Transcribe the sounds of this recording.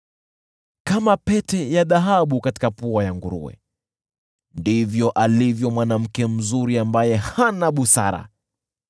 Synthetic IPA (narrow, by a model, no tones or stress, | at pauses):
kamapɛtɛjaðaɦaɓukati̥kapuajaŋɡuɾṵwɛ̰ | ndivjɔʔalivjɔmwanam̩kɛm̩zuɾiambajɛhanaɓusa̰ɾa̰